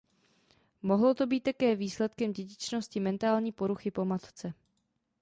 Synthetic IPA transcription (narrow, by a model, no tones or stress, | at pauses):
mo̞ɦlo̞t̪o̞biːt̪̚t̪akɛːviːslɛt̪kɛmɟɛɟɪt͡ʃno̞scɪmɛnt̪aːlɲiːpo̞ɾuxɪpo̞mat̪t͡sɛ